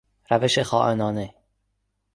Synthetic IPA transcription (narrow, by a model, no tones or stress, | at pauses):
ɾæveʃexɒːʔenɒːne